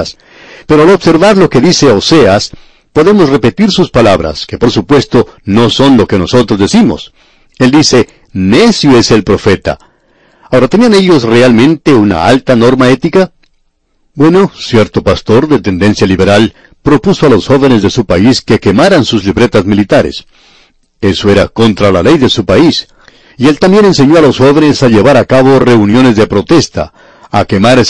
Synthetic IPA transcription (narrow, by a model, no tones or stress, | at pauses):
s | peɾo̞alobse̞ɾβaɾlo̞ke̞ðise̞ose̞as | po̞ðe̞mo̞sre̞pe̞t̪iɾsuspalaβɾa̰ske̞po̞ɾsupwe̞st̪o̞no̞so̞nlo̞ke̞no̞so̞t̪ɾo̞zðesimo̞̰s | e̞ld̪ise̞ | ne̞sjoe̞selpɾo̞fe̞t̪a̰ | ao̞ɾat̪e̞niane̞ʎo̞sre̞almẽ̞nt̪e̞una̰a̰lt̪ano̞ɾmae̞t̪ika | bwe̞no̞sje̞ɾt̪o̞past̪o̞ɾðe̞t̪e̞nd̪e̞nsjaliβe̞ɾal | pɾo̞puso̞alo̞sxo̞βe̞ne̞zðe̞supaiske̞ke̞maɾansuzliβɾe̞t̪azmilit̪aɾe̞̰s | e̞so̞e̞ɾako̞nt̪ɾalale̞jðe̞supais | ie̞lt̪ambje̞ne̞ns̬e̞ɲo̞alo̞sxo̞βe̞ne̞saʎe̞β̞aɾakaβo̞re̞unjo̞ne̞zðe̞pɾo̞t̪e̞st̪a̰ː | ke̞maɾ